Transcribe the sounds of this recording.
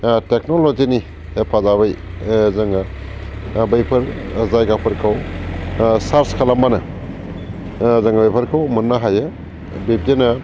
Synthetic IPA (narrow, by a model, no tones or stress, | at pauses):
tek̚nolozini | epʰazaβaj | zaŋa | bajpʰɐɾzajɡapʰɐɾkʰaw | saɾskʰalambanɐ | zaŋabajpʰɐɾkʰawmɐnːaɦajɯ | bep̚denɐ